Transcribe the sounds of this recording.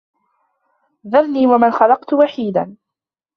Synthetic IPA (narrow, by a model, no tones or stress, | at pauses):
ðɑɾniːwamanxɑlɑqt̪ʊwaħiːd̪an